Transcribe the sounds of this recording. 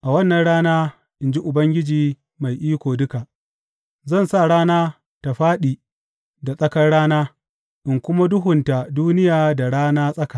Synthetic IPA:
ʔa˨wɐ˦nːɐ˨nɽaː˦naː˦ | ʔɪ˨nd͡ʒi˦ʔʊ˨bɐ˦ŋɡʲɪ˦d͡ʒiː˨ | ma˨jʔiː˦kʷoː˨dʊ˦ka˨ʔ | zɐ˦˨nsa˦˨ɽaː˦naː˦ | ta˨ɸaː˦ɗiː˨ | da˨sʼɐ˦kɐ˦rɽaː˦naː˦ | ʔɪ˨ŋkʷʊ˦ma˦dʊ˦ɦʊ˨nta˨duː˦nɪ˦jaː˨da˨ɽaː˦naː˦sʼɐ˦ka˨

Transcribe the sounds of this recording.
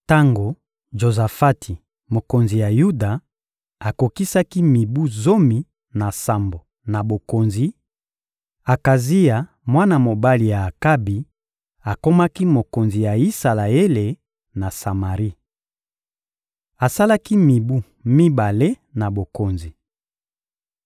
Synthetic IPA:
ta˦ŋɡo˨ | ʒo˨za˨fa˦tʰi˨ | mo˨ko˨nzi˨ja˨ju˦da˨ | a˨ko˨ki˦sa˦ki˦mi˨bu˦zo˦mi˨ | na˨sa˨mbo˨ | na˨bo˨ko˨nzi˨ | a˨ka˨zi˦ja˨ | mwa˦na˨mo˨ba˦li˨jaː˨ka˦bi˨ | a˨ko˦ma˦ki˦mo˨ko˨nzi˨ja˨i˦sa˨la˨e˦le˨ | na˨sa˨ma˨ʁi˦ | a˨sa˦la˦ki˦mi˨bu˦ | mi˦ba˨le˦ | na˨bo˨ko˨nzi˨

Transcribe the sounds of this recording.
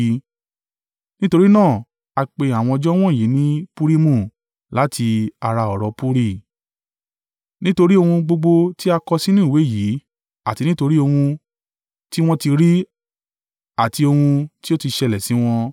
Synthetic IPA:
nĩ˦to˧ɾi˦nãː˦˨ | a˧k͡pe˧a˨w̃ɔ̃˧ɔ˧d͡ʒɔ˦w̃ɔ̃˦˨ji˨˦nĩ˦pu˦ɾi˦mũ˦˨ | la˨˦tʰi˧a˧ɾa˧ɔ˨ɾɔ˧pu˦ɾi˦˨ | nĩ˦to˧ɾi˦o˧hũ˧ɡ͡bo˧ɡ͡bo˧ti˦a˧kɔ˧si˦nũː˦˨we˨˦˨ji˨˦ | a˨ti˧nĩ˦to˧ɾi˦o˧hũ˧ | ti˦w̃ɔ̃˦ti˧ɾi˦ | a˨ti˧o˧hũ˧ti˦o˦ti˧ʃɛ˧lɛ˨si˨˦w̃ɔ̃˧

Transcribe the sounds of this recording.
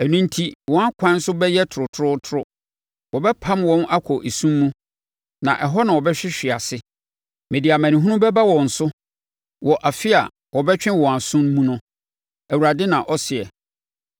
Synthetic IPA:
æ˨nũ˦n̩˦tʰi˦wɔ̃˨˦a˦kʷʰã˦n̩˦sʊ˦bɛ˦jɛ˦tʰʊ˨ɾʊ˨tʰʊ˨˦ɾʊ˦tʰʊ˦ɾʊ˦ | wɔ˨bɛ˦pʰã˦mwɔ̃˦na˦kʷʰɔ˨ʔe˨sũ˦mːũ˦ | nã̰˨ʔɛ˨ɦɔ˦nã˨wɔ˨bɛ˦ɕᶣɪ˦ɕᶣɪ˨a˨sɪ˦ | mẽ˨di˨a˨mæ̃˨nĩ˨ɦũ˦nʊ̃˦bɛ˦ba˦wɔ̃˨n̩˨sʊ˦ | wɔ˨ʔa˨fɪ˦a̰˨ | wɔ˨bɛ˦t͡ɕᶣɪ̃˦wɔ̃˨a˨sʊ̃˦n˦mũ˦nʊ̃˦ | æ˨wu˨a˨dɪ˦nã˨ʔɔ˦sɪ˨ɛ˨

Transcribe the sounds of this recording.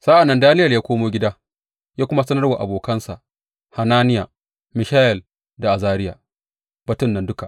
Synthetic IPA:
sa˦ʔa˨nːɐ˦ndaː˦nɪ˦jɐ˨ljaː˦kʷoː˦moː˦ɡʲɪ˦daː˦ | jaː˦kʷʊ˦ma˦sɐ˦nɐ˦rwa˨ʔa̰˨boː˨kɐ˦nsa˨ʔ | ha˨naː˦nɪ˦ja˨ | mɪ˨ʃaː˦jɛ˨l | da˨ʔa˨zaː˦ɾɪ˦jaː˨ | b̥ɐ˦tʊ˦nːɐ˨ndʊ˦ka˨ʔ

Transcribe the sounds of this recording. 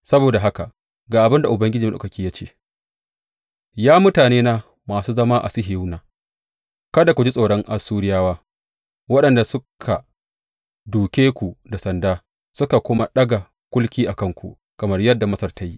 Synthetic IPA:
sɐ˦boː˨da˨ɦa˦ka˨ | ɡaː˨ʔa˨bɪ˦nda˨ʔʊ˨bɐ˦ŋɡʲɪ˦d͡ʒiː˨m˦ɗa̰˨kɐ˨kʲiː˦jaː˦t͡ʃḛː˦˨ | jaː˦mʊ˦taː˨neː˦naː˦ | maː˨suː˦zɐ˦maː˦ʔa̰˨sɪ˦ɦɪ˨u˦naː˨ | kɐ˦da˨kʷu˨d͡ʒi˦sʼoː˨ɽɔ˦ŋʔa˦suː˦ɽɪ˦jaː˦waː˦ | wɐ˦ɗɐ˨nda˨sʊ˦kʰa˨ | duː˨kʲeː˦kʷu˨da˨sɐ˨ndaː˦ | sʊ˦ka˨kʷʊ˦ma˦ɗɐ˦ɡa˨ | kʷʊ˦lkʲiː˦ʔa˨kɐ˦ŋkʷṵ˨ʔ | kɐ˨mɐ˦rjɐ˦dːa˨mɐ˦sɐ˦rta˦ji˦

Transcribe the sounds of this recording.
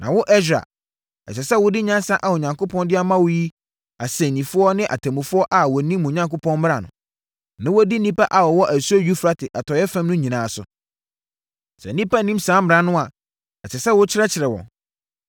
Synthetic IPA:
nã˨wʊ˦ʔɛ˦ɕᶣa̰˨ | ɛ˨t͡ɕɛ˨sɛ˦wʊ˦dɪ˦ɲã˦nsã˦ʔa˨ʊ˨ɲã˨ŋko˦pʰɔ̃˦ndɪ˦a˦mã˦wʊ˦ji˦ | a˨sɛ̃˨nĩ˨fʊ˦ɔ˦nɪ̃˦ʔa̰˨tʰa˨mũ˨fʊ˦ɔ˦ʔa˨wɔ˨nĩ˦mːũ˨ɲã˦ŋko˦pʰɔ̃˦nm˦ɾa˨nʊ̰̃˨ | nã˦wɔ˦di˦nĩ˦pa˦ʔa˨wɔ˨wɔ˦ʔæ˨su˦o˦ɥᶣu˦fɾa˦tʰɪ˨ʔa˨tʰɔ˨˦ɛ˦fã˦mnʊ̃˦ɲĩ˨nãː˨sʊ̰˨ | sɛ̰˨n˦nĩ˦pa˦nĩ˦msãː˨˦mɪ˨ɾã˨˦nʊ̃˦a˨ | ɛ˨t͡ɕɛ˨sɛ˦wʊ˦t͡ɕʰɪ˦ɾɛ˦t͡ɕʰɪ˨ɾɛ˨wɔ̰̃˨

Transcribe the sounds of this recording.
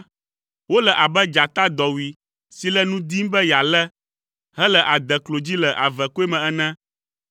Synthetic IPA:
wo˦lə˨ʔa˨bɛ˦d͡ʒa˨t̪a˦d̪ɔ˨wi˨ | si˨lə˦nũ˦d̪i˦mbə˦ja˨lɛ˦ | ɦɛ˦lə˨ʔa˨d̪ɛ˨klo˨d͡ʑi˦lə˨ʔa˨vɛ˨ko˦e˦mɛ̃˨ɛ˦nɛ̃˦

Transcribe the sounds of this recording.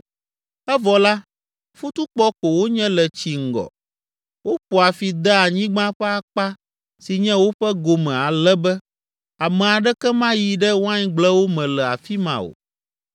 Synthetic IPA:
ɛ˦vɔ˨la˦ | fu˦t̪u˦k͡pɔ˦ko˨wo˦ɲɛ̃˦lɛ˨t͡ɕi˨ŋ̩˨ɡɔ̰˨ | wo˦ɸo˨a˨fi˨d̪ɛ˦a˨ɲĩ˦ɡ͡bã˦ɸɛ˦a˦k͡pa˦ | si˨ɲɛ̃˦wo˦ɸɛ˦ɡo˨mɛ̃˨a˨lɛ˦bɛ˦ | a˨mɛ̃˨a˨ɖɛ˦kɛ˦mã˦ji˨ɖɛ˦wã˦ɲ˦ɡ͡blɛ˦wo˦mɛ̃˨lɛ˨a̰˨fi˦mã̰˨o̰˨

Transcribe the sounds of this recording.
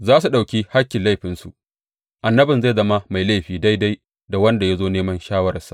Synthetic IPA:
zaː˦su˨ɗa˨wkʲi˦ha˦kʲːɪ˨nla˦˨jɸɪ˨nsu˨ʔ | ʔa˨nːɐ˦bɪ˨nza˦˨jzɐ˦ma˦ma˨jla˦˨ɸiː˨da˦jda˦j | da˨wɐ˦nda˨ja˦zoː˦neː˦mɐ˦nʃaː˦wɐ˦ɾɐ˨sa̰˦

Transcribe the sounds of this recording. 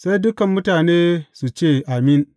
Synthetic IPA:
sa˦jdʊ˦kɐ˨mːʊ˦taː˨neː˦su˨t͡ʃeː˦˨ʔa˨mɪ˦n

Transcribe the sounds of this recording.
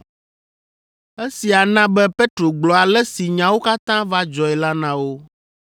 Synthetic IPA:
e˦si˨a˨nã˦bɛ˦pe˦t̪ɾo˨ɡ͡blɔ˨a˨lɛ˦si˨ɲã˨wo˦ka˦t̪ã˦va˦d͡ʒɔ˨ɛ˨la˦nã˦wo˦

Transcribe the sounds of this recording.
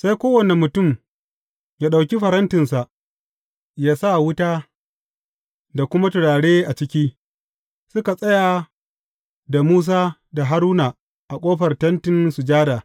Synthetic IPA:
sa˦jkʷoː˦wɐ˨ne˨mːʊ˨tʊ˦˨m | jaː˦ɗa˨wkʲi˦ɸɐ˨ɾɐ˦ntɪ˨nsa˨ʔ | jaː˦sa˦˨wʊ˦taː˦ | da˨kʷʊ˦ma˦tʊ˨ɽaː˨ɽeː˦ʔa˨t͡ʃɪ˦kʲiː˦ | sʊ˦ka˨sʼɐ˦ja˨ | da˨muː˦s̬aː˦da˨ɦa˦ɾuː˦na˨ | ʔa˨kʷʼoː˦ɸɐ˨rtɐ˦ntɪ˨nsu˨d͡ʒaː˦daː˨

